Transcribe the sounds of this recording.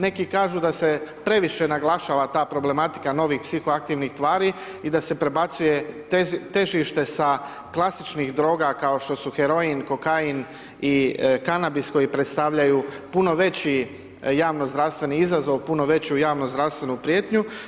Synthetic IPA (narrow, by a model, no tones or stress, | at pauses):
ne̞kikaːʒud̪ase̞pɾe̞ʋiʃe̞naɡlˠaʃaːʋat̪aːpɾoble̞mat̪i̥kano̞ʋixpsixoak̚t̪iːʋnixt̪ʋaːɾi | id̪ase̞pɾe̞bat̪suje̞ | t̪e̞ʒiʃt̪e̞sa | klˠasit͡ʃniɣd̪ɾo̞ːɡakao̞ʃt̪o̞suxe̞ɾo̞inko̞kain | ikanabisko̞jipɾet̪st̪aʋʎajuːpuno̞ʋe̞t͡ɕi | jaːʋno̞zd̪ɾaʋst̪ʋe̞niizazo̞ʋpuno̞ʋe̞t͡ɕujaːʋnozd̪ɾaʋst̪ʋe̞nupɾijeːt̪ɲu